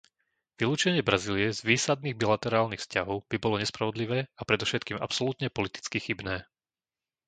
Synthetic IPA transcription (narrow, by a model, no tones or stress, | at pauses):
ʋiluːt͡ʃɛɲɪɛbɾaziːliɛzʋiːsad̪̚niːɣbilat̪ɛɾaːlnixfscaɦɔʊb̥ibɔlɔɲɛspɾaʋɔd̪liʋɛːapɾɛd̪ɔfʃɛt̪̚kiːmʔa̰psɔlut̪ɲɛpɔlit̪i̥t͡skixibnɛː